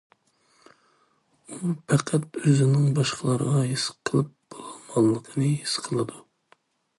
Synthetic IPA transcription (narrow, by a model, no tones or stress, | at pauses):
upʰæqʰæt̪øzɪnɪŋbɑʃqʰɑlˠɑɾə̰ʁɑɦisqʰəlˠɨp̚b̥olˠɑmɑlːˠəqʰənɨisqʰəlˠɨd̪u